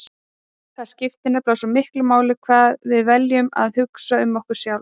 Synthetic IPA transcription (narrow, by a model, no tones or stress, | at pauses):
θḁscɪft̪ɪnːaplaːwsɔmɪhklʏmaːwlɪkʰvaːðvɪðvɛljʏma̰ðhʏksaʏmːɔhkʏɾ̥sjaːw